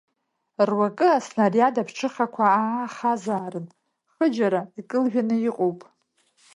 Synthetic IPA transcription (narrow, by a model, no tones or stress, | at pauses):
rwakʼɨasnarjadapʰʈ͡ʂʰɨχakʷʰaaːχazaːɾɨn | χəd͡ʒaɾaikʼɨlʒᶣanɨiqʼowpʼ